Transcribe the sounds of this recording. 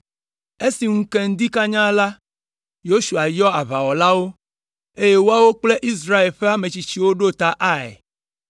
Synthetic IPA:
e˦si˨ŋũ˦ke˦ŋ̩˦d̪i˦ka˦ɲã˦la˦ | jo˦ʃu˨a˨jɔ˦a˨βa˨wɔ˨la˦wo˦ | e˦je˦wo˦a˦wo˦k͡ple˦ʔi˦s̬ɾa˦e˨lɸe˦a˦me˨t͡ɕi˨t͡ɕi˦wo˦ɖo˦t̪a˦ʔa˦ɛ̰˨

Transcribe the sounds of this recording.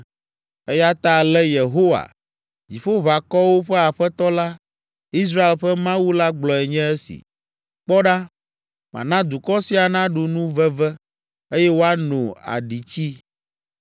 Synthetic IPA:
ɛ˦ja˦t̪a˦˨lɛ˦je˨ɦo˦wa̰˨ | d͡ʑi˨ɸo˦βa˨kɔ˦wo˦ɸɛ˦a˨ɸɛ˦t̪ɔ˦la˦ | i˦s̬ɾa˦e˨lɸɛ˦mã˦wu˦la˦ɡ͡blɔ˨ɛ˨ɲɛ̃˦ɛ˦sḭ˨ | k͡pɔ˦ɖa˦ | mã̰˨nã˦d̪u˨kɔ˦si˦a˨nã˦ɖu˨nũ˦vɛ˦vɛ˦ | e˦jɛ˦wo˦a˦nõ˨a̰˨ɖi˨t͡ɕi˦

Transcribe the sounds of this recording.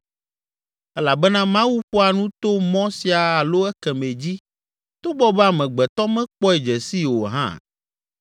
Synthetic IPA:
ɛ˦la˨bɛ˦nã˦mã˦wu˦ɸo˦a˨nũ˦t̪o˦mɔ̃˦si˨a˨a˨lo˦ɛ˦kɛ˨mẽ˨d͡ʑi˦ | t̪o˦bɔ˦bɛ˦a˨mɛ̃˨ɡ͡bɛ˨t̪ɔ˦mɛ̃˦k͡pɔ˦ɛ˨d͡ʒɛ˨si˦wo˨ɦã̰˦

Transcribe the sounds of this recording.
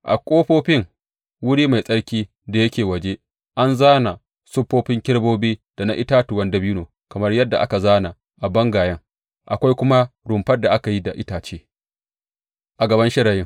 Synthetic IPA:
ʔa̰˨kʷʼoː˦ɸoː˦ɸɪ˦ŋ | wʊ˦ɽiː˦ma˨jsʼɐ˦ɽkʲiː˦ | da˨jɐ˦kʲeː˨wɐ˨d͡ʒe˦ | ʔa˦nzaː˦na˨ | sʊ˦pːoː˦ɸɪ˦ŋkʲɪ˦ɽboː˦biː˦d̥a˨na˦ʔɪ˦taː˦tʊ˨wɐ˦ndɐ˦bi˦noː˨ | kɐ˨mɐ˦rjɐ˦dːa˨ʔa̰˦ka˨zaː˦na˨ | ʔa˨bɐ˦ŋɡaː˨jɐ˦ŋ | ʔa̰˨kʷa˦jkʷʊ˦ma˦ɽʊ˨mɸɐ˦rdːa˨ʔa˦ka˨ji˦da˨ʔɪ˦taː˨t͡ʃeː˦ | ʔa˨ɡɐ˨bɐ˦nʃɪ˦ɽaː˨jɪ˦ŋ

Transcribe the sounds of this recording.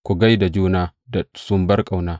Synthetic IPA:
kʷu˨ɡa˦jda˨d͡ʒuː˦naː˦da˨sʊ˦mbɐ˦rkʼa˨wnaː˦

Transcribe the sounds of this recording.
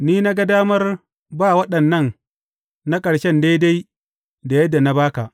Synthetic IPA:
niː˦na˦ɡa˦daː˦mɐ˦r | baː˦˨wɐ˦ɗɐ˨nːɐ˦˨n | na˦kʼɐ˨ɽʃɛ˦nda˦jda˦j | da˨jɐ˦dːa˨na˦baː˦ka˨ʔ

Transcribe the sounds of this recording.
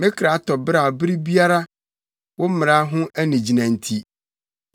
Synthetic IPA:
mɪ̃˦kʰɾa˨˦tʰɔ˨bɾa˨bɾi˦bi˦a˦ɾa˦ | wɔ˦m˦mɪ̃˨ɾa˦ɦʊ̃˦æ˦nĩ˨d͡ʑi˨nã˨n˨tʰi˦

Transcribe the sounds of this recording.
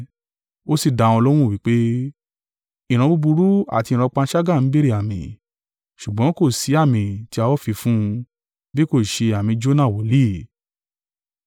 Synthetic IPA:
o˦si˦˨da˨˧˨ɔ̃˧lɔ˦w̃ũ˦˨wi˨˦k͡pe˦ | ĩ˨ɾ̃ã˧bu˧bu˧ɾu˦a̰˦˨tĩ˧ɾɔ˧k͡pã˧˦ʃa˦ɡa˦˨n̩˨˦be˦ɾi˦˨a˨mĩ˨ | ʃu˨ɡ͡bɔ̃˨˦ko˦˨si˨˦a˦˨mĩ˨ti˧˦a˧wɔ˦fi˧fũ˦˧ | bi˦ko˦˨ʃe˧a˨mĩ˧d͡ʒo˦nã˦˨wo˨˦li˦

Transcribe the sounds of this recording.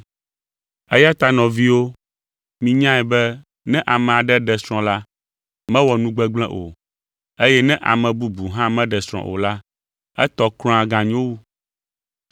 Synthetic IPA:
ɛ˦ja˦t̪a˦nɔ̃˨vi˦wo˦ | mĩ˨ɲã˦ɛ˨bɛ˦ | nɛ̃˦ʔa˨mɛ̃˨a˨ɖɛ˦ɖɛ˨sɾ̃ɔ̃˨la˦ | mɛ̃˦wɔ˨nũ˦ɡ͡bɛ˦ɡ͡blɛ̰̃˦ʔo̰˨ | e˦jɛ˦nɛ̃˦ʔa̰˨mɛ̃˨bu˦bu˨ɦã˦mɛ̃˦ɖɛ˨sɾ̃ɔ̰̃˨ʔo̰˨la˦ | ɛ˦t̪ɔ˦klɔ̃˦a˨ɡã˨ɲ˦õ˦wu˦

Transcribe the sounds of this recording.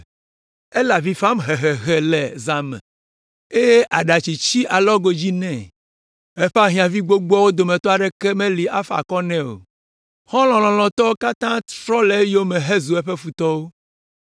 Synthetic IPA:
e˦la˨vi˨fa˦mɦɛ˨ɦɛ˨ɣɛ˨lɛ˨za˨mɛ̰̃˨ | e˦je˦ʔa˨ɖa˨t͡ɕi˨t͡ɕi˦ʔa˨lɔ˦ɡo˨d͡ʑi˦nɛ̃˦˨ | ɛ˦ɸa˦ɦĩ˨ã˨vi˦ɡ͡bo˦ɡ͡bɔ˦wo˦d̪o˨mɛ̃˨t̪ɔ˦a˨ɖɛ˦kɛ˦mɛ̃˦li˨a˦fa̰˨kɔ˦nɛ̃˦o̰˨ | hɔ̃˦lɔ̃˨lɔ̃˨lɔ̃˨t̪ɔ˦wo˦ka˦t̪ã˦t̪ɾɔ˦lɛ˨˦jo˦mɛ̃˨ɦɛ˦zu˨ɛ˦ɸɛ˦fu˨t̪ɔ˦wo˦

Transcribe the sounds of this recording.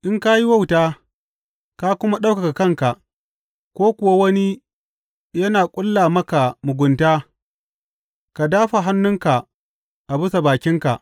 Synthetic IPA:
ʔɪ˦ŋka˦ji˦wa˦˨wtaː˦ | ka˦kʷʊ˦ma˦ɗa˦wka˨ka˨kɐ˦˨ŋka˨ʔ | kʷoː˦kʷʊ˨wa˦wɐ˦ni˦ | jɐ˦naː˨kʷʼʊ˦lːaː˨mɐ˦ka˨mʊ˨ɡʷʊ˨ntaː˦ | ka˨daː˦ɸa˨ɦa˦nːʊ˦ŋka˨ | ʔa˨bʊ˦sa˨baː˨kʲɪ˦ŋka˨ʔ

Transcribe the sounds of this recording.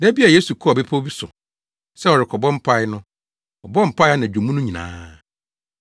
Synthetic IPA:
dɛ˦bi˦a˨je˦su˨kʰu˦ɔ˨bɛ˦pʰɔ˦bi˦sʊ˨ | sɛ˦ɔ˨ɾɪ˨kʰɔ˨bɔ̃˦m̩˦pʰa˦ɪ˦nʊ̃˦ | ɔ˨bɔ̃˦m̩˨pʰa˦ɪ˦a˦nã˨u˨mũ˦nʊ̃˦ɲĩ˨nã̰ː˦

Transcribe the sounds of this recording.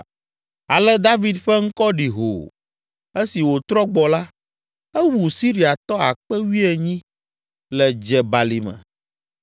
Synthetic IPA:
a˨lɛ˦d̪a˦vi˨d̪ɸɛ˦ŋ̩˦kɔ˦ɖi˨ɦo̰˨ | e˦si˨wo˨t̪ɾɔ˦ɡ͡bɔ˨la˦ | ɛ˦wu˨si˦ɾi˦a˨t̪ɔ˦a̰˨k͡pɛ˦wi˦ɛ˨ɲĩ˦ | lɛ˨d͡ʒɛ˨ba˨li˨mɛ̰̃˨

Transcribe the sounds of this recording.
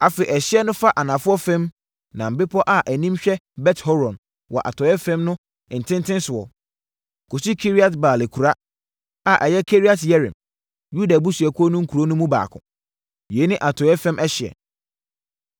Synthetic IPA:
a˨fe˨ʔɛ˨ɕɪ˦ɛ˦nʊ̃˦fa˦ʔa˨nã˨fʊ˦ɔ˦fɛ̃˦m | nã˨m̩˨bɪ˦pʰɔ˦ʔa˨ʔæ˨nĩ˦mɕᶣɛ˦bɛ˦thɔ˦ɾɔ̃˨n | wɔ̰˨ʔa̰˨tʰɔ˨˦ɛ˦fɛ̃˦mnʊ̃˦ | ɪ̃˨n̩˨tʰɪ̃˦ntʰɪ̃˦nsʊ˨wɔ˨ | kʰo˨si˦kʰi˦ɾi˦a˦tbaː˨le˨kʰu˨ɾa˦ | a˦ʔɛ˨jɛ˦kʰe˦ɾi˦a˨tjɛ˦ɾɪ̰̃˨m | ju˦da˨bu˦su˨ɛ˨kʰʊ˦ɔ˦nʊ̃˦ŋ̩˦kʰu˨ɾo˦nʊ̃˦mũ˦ba̰ː˨kʰʊ̰̃˨ | je˨˦nɪ̃˦ʔa˨tʰɔ˨jɛ˦fɛ̃˦mʔɛ˦ɕɪ˨ɛ̰˨

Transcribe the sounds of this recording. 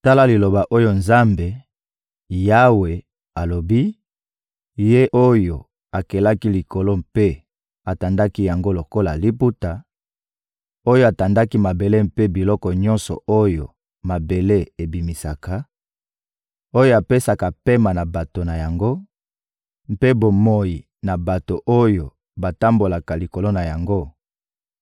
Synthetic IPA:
ta˦la˦li˨lo˨ba˨ʔo˦jo˦nza˦mbe˨ | ja˦we˨ | a˨lo˨bi˦ | je˦ʔo˦jo˨ | a˨ke˨la˦ki˦li˨ko˨lo˦mpe˦ | a˨ta˨nda˦ki˦ja˨ŋɡo˦lo˨ko˦la˨li˦pu˦ta˨ | o˦jo˦a˨ta˨nda˦ki˦ma˨be˨le˦mpe˦bi˨lɔ˦kɔ˨ɲɔ̃˦nsɔ̰˨o˦jo˨ | ma˨be˨le˦e˨bi˨mi˨sa˨ka˨ | o˦jo˦a˨pe˦sa˨ka˨pe˦ma˨na˨ba˨to˨na˨ja˨ŋɡo˦ | m̩˦pe˦bo˨mo˦˨ji˨ | na˨ba˨to˨ʔo˦jo˨ | ba˨ta˦mbo˨la˨ka˨li˨ko˨lo˦na˨ja˨ŋɡo˦

